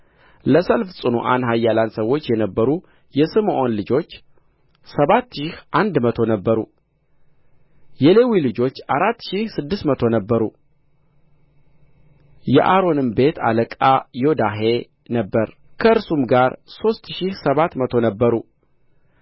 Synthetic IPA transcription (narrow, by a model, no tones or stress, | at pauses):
ləsəlfsʼɨnṵʔanɦajːalansəwo̞t͡ʃːjɛnəbːəɾu | jɛsɨmʔo̞nlɨd͡ʒo̞t͡ʃː | səβat̪ːʃɪhʔand̪mət̪ʰo̞nəbːəɾṵ | jɛle̞wilɨd͡ʒo̞t͡ʃːʔaɾat̪ːʃihsɨd̪ːɨst̪mət̪ʰo̞nəbːəɾu | jɛ̰ʔaɾo̞nɨmbe̞t̪ʰa̰ləkʼajo̞d̪aɦe̞ | nəbːəɾ | kʰəɨɾsumɡaɾso̞st̪ʃihsəβat̪mət̪ʰo̞nəbːəɾu